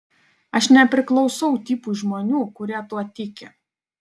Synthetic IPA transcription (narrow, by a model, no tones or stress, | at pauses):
ɐʃnʲɛpʲɾʲɪklˠɒʊsɐʊt̪ʲiːpuːʒmoːnʲuːkʊɾʲiɛt̪uɔt̪ʲɪkʲɪ